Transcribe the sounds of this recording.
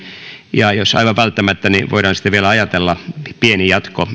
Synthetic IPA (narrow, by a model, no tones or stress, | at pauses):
jɑjosɑ̰iʋɑʋʋælt̪ːæmæt̪ːæniʋo̰iɾɑnsi̥t̪æʋielæɑjɑt̪elːɑpienijɑt̪ko̰